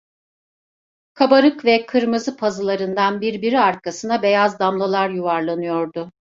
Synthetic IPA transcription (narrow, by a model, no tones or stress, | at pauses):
kʰabaɾɯkvɛkʰɯɾmɯzɯpʰazɯlˠaɾɯnd̪anbiɾbiɾiaɾkʰasɯnabe̞jazd̪amlˠalˠaɾjuvaɾlˠanɯjo̞ɾd̪ʊ